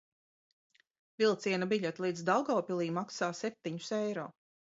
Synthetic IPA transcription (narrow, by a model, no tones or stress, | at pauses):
vilˠt̪siɛnɐbiʎʲɛt̪lˠiːd̪zd̪awɡawpʲilˠiːmaksaːsɛp̚t̪iɲʊ̥sɛjɾɔ̰ː